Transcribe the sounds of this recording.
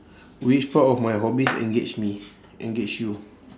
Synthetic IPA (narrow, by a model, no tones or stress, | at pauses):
wit͡ʃpatɔfmajɦɔbisɛ̰̃ŋɡet͡ʃmi | ʔɛ̃ŋɡed͡ʒju